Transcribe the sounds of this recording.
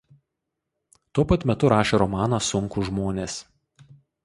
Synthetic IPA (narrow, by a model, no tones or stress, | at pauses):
t̪uɔpɐt̪mʲɛt̪ʊɾɑːʃʲeːɾɔmɑːnɑsʊŋkʊʒmoːnʲeːs